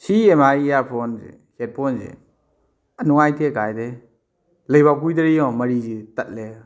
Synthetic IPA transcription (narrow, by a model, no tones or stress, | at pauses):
siɛmaijapʰɔnzɛ̰sɛt̚pʰɔnzɛ̰ | ənuajtɛkajd̪ɛ | lejbak̬ujd̪əɾijɔ̃məɾid͡ʒit̪ət̚lɛ